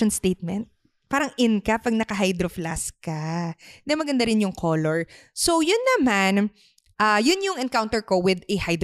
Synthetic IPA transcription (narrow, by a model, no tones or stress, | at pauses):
ɔnst̪ejt̪̚mɛnt̪̚ | paːɾɐŋʔɪnkɐpɐɡ̚nɐkɐɦajd̪ɾoflaskɐnɐmɐɡɐnd̪aɾɪnjʊŋkʰoːloɹsowjʊnːɐman | ʔajʊnjʊŋɛnkawnt̪ɛɹkowɪd̪ɛhajd̪ɾ